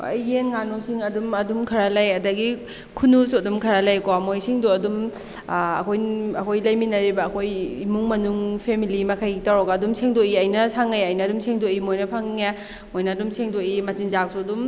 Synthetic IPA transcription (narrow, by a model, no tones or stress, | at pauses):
a̰jenŋanosiŋɐdumɐdumkʰɐɾalajɐdɐɡi | kʰunusudumkʰɐɾalajkomojsiŋduɐdum | ɐ̰kʰojɐkʰojlɐjminɐɾibɐːkʰojimuŋmɐnuŋpʰemilimɐkʰajɡitawɾɔɡaːdumsʰeŋdoiɐjnɐsaŋːajɐjnɐːdumsʰeŋdoimojnɐpʰaŋːe | mojnɐːdumsʰeŋdoimɐtinzak̚sudum